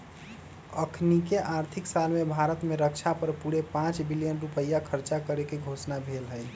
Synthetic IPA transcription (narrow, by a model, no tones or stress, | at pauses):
əkʰnikeʔaɾt̪ʰiksalmebʱaɾət̪meɾəkt͡ʃʰapəɾpuɾepãt͡ʃbilijənɾupəjakʰəɾt͡ʃakəɾekeɡʱosnabʱelɦəj